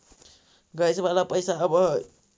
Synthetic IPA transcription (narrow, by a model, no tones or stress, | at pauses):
ɡajsəbalapəjsaəbʌ